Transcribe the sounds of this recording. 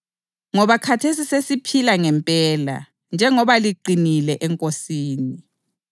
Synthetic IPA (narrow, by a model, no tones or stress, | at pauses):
ŋɔβakʰatʰesisesipʰilaŋɛmpʼɛːla̰ | nd͡ʒʱɛŋɔβaliǃinilɛʔɛŋkʼosiːni